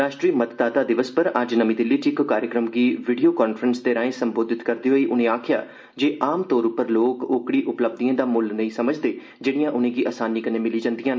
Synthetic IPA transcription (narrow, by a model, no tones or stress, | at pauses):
ɾaːʃʈɾiːmət̪d̪aːt̪aːd̪ɪʋəspəɾəd͡ʒnəmĩːd̪ɪlːiːʈʰɪkːaːɾjəkɾəmɡiːʋiɖijoːkɔːnpfʰəɾənsd̪eːɾãːẽːsəmboːd̪ɪt̪kəɾd̪iːɦoːiːʔʊnẽːaːkʰɪja̰ː | d͡ʒeːʔaːmt̪oːɾʊpəɾloːkoːkɽiːʔʊpləb̚d̪iãːd̪aːmʊlnə̃ĩːsəməd͡ʒd̪eː | d͡ʒeːɽijãːʔʊnẽːɡiːʔaːsaːniːkəneːmɪliːd͡ʒãːnd̪ijãːn